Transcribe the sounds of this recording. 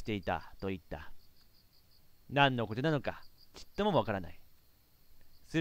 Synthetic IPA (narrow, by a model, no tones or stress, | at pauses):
i̥t̪e̞it̪a̰t̪o̞it̪ːa̰ | nãnːo̞kot̪onano̞kaki̥t̪ːomoβakaɾana̰i | sɨ